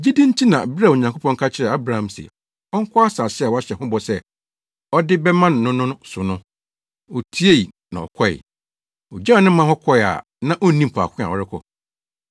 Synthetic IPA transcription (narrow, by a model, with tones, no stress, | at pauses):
d͡ʑi˦dĩ˦ɲ˦tʰi˦nã˨bɪ˦ɾa˦˨o˨ɲã˨kʰo˦pʰɔ̃˦ŋ˦kʰa˦t͡ɕʰɪ˦ɾɛ˨a˦bɾa˦˨ã˨msḭ˨ | ɔ˦ŋ̩˦kʰɔ˦a˦saː˨ɕɪ˦a˨wɔ˨˦a˦ɕɛ˨hʊ̃˦bɔ˨sɛ˦ | ɔ˦dɪ˦bɛ˦mã˦ñ˨nʊ̃˦nʊ̃˦ñ˦sʊ˨nʊ̃˦ | ɔ˨tʰi˦e˦i˨ | nã̰˨ɔ̰˨kʰɔ˦ɪ̰˨ | ɔ˨d͡ʑa˦ɔ˦nɪ̃˦m˦mã˦hɔ˦kʰɔ˦ɪ˨a̰˨ | nã˦ʔɔ˦nĩ˦m̩˨pʰa̰˨kʰʷɪ̃˦a̰˨wɔ˨ɾɪ˦kʰɔ̰˨